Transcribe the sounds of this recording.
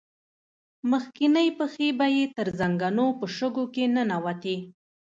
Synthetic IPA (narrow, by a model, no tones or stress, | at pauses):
məxkinəjpəxebajet̪əɾzaŋɡanopəʃəɡokenənawat̪i